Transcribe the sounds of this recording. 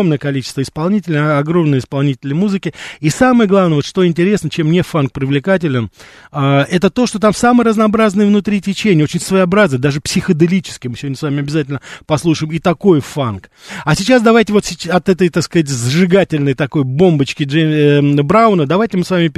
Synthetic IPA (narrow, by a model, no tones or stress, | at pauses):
mnəjəkɐlʲit͡ɕɪst̪vəɪspɐlˠnʲitʲɪlʲnəɐɡro̞mnəjəɪspɐlˠnʲitʲɪlʲnʲəmuzɨkʲɪisamɨjəɡlˠavnəjəvotʂt̪o̞ɪnʲtʲɪɾʲe̞snət͡ɕemnʲefank̚pɾʲɪvlʲɪkat̬ʲɪlʲɪn | aɛt̪ət̪o̞ʂt̪o̞t̪amsamɨjərəznɐɐbɾaznɨjəvnʊt̪ɾʲitʲɪt͡ɕenʲɪo̞t͡ɕɪnʲsvəjɐbɾaznəjəd̪aʐɨpsʲɪxəd̪ɨlʲit͡ɕɪ̥skʲɪmɨsʲɪvodʲnəsvamʲɪɐbʲɪzatʲɪlʲnəpɐslˠuʂɨɪmit̪ɐko̞jfankɐsʲɪt͡ɕasd̪ɐvajtʲɪvot̪sʲɪɐt̪ɛt̪əjt̪akskəzat̬ʲzʐɨɡatʲɪlʲnəjt̪ɐko̞jbo̞mbət͡ɕkʲɪ | bɾaʊnəd̪ɐvajtʲɪmɨsvamʲɪpʲ